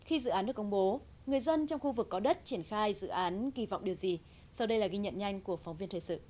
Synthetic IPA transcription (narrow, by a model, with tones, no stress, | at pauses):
xi˧zɨ̰˧˨ʔaː˨˦nɗɨ˨˩əkə˧ŋ͡mɓo˨˦ | ŋɨ˨˩əjzə˧nt͡ɕɔ˧wŋ͡mxu˧vɨ˨˩kːɔ˨˦ɗə˦˥t̚t͡ɕi˧˩ənxaː˧jzɨ̰˧˨ʔaː˨˦nɣi˧˩va̰˧˨wŋ͡mɗi˨˩əwzi˨˩ | sa˧wɗə˧jlaː˨˩ɣi˧ɲə̰˧˨nɲa˧jŋ̟ku˧˩əfa˨˦wŋ͡mvi˧ənt̪ʰːjsɨ̰˧˨